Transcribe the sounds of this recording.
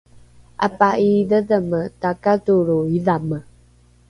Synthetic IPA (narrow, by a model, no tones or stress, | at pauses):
a̰paʔiðəðəmətakatoɾoiðamə